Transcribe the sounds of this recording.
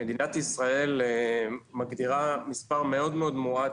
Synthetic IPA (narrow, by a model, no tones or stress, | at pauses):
ed̪inat̪isʁae̞lemaɡd̪iʁamispaʁmeo̞d̪meo̞d̪mua